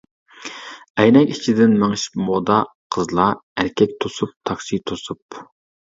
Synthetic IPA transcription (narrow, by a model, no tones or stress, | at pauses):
ɛjnɛkʲit͡ʃʰid̪ɪnmæŋʃi̥pmod̪ɑ | qʰəzlˠɑæɾkʲʰɛk̚ʲt̪ʰosup̚t̪ʰɑkʃit̪ʰosup